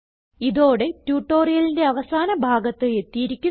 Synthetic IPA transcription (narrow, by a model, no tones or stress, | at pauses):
iðo̞ːɽe̞tjuːʈːo̞ːrijɐlinde̞ɐʋɐsaːnɐbʱaːɡɐt̪ːɨe̞t̪ːijiɾikʲːu